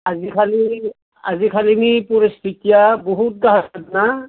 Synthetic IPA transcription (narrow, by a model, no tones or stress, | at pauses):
azikʰali | a̰zikʰalinipuɾist̪ʰitijabɔɦut̚ɡaɦaadna